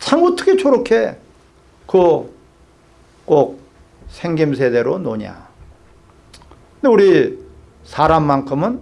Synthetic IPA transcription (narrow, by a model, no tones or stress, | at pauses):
t͡ɕʰaŋʌt͈ʌ̥kʰet͡ɕʰoɾokʰe | ko | k͈ok̚ | sʰeŋɡims̬ʰe̞de̞ɾonoɲa̰ | ɯndeuɾi | saɾamːankʰɯmɯn